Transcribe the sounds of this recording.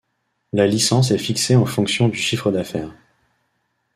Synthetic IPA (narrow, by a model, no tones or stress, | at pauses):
lalisɑ̃s̬ɛfikseɑ̃fɔ̃ksjɔ̃d̪yʃifχəd̪afɛːʁ